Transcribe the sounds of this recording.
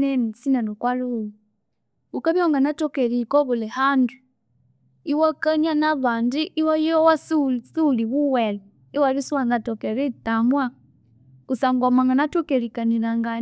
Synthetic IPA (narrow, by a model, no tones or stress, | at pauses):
nɛmisinanokwaluwu | ukaβjɔŋɡanatɔkɛlikɔβulɛhandu | iwakanjanaβandiʔiwajɔwasusuliβuwɛlu | iwalisuwaŋɡatɔkɛɾitamwa | kusaŋɡwamaŋɡanatɔkɛɾikaniɾaŋɡa